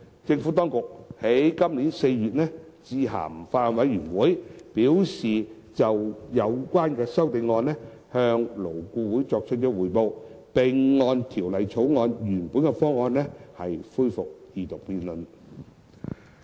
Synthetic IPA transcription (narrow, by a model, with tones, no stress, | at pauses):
t͡sɪ˧ŋfu˨˥t̪ɔː˥ŋkʊ˨k̚he˨˥jkɐ˥mliː˨˥nse˧jɥyː˨t̚nɛː˥ | t͡siː˧ɦa̰ː˨˩m˨faː˧t̚ɔː˨˧nwɐ˨˥jɥyː˨˩nwuː˨˥jpiː˨˥wsiː˨ | t͡sɐ˨wjɐ˨˧wkʷwaː˥nkɛː˧sɐ˥wt̪e˧jŋɔː˧nlɛ˥ | hœː˧ŋlo˨˩wkuː˧wuː˨˥jt͡sɔː˧k̚t͡ʃʰt̚kɔː˧˥wuː˨˩jpo˧w | pe˨˩ŋːɔː˧nt̪ʰiː˨˩wlɐ˨jt͡sʰo˨˥wŋɔː˧njyː˨˩npu˨˥nkɛ˧fɔː˥ŋɔː˧nlɛː˥hɐ˨jfuː˥jfʊ˨k̚jiː˨˧t̪ʊ˨k̚piː˧nlɵ˨n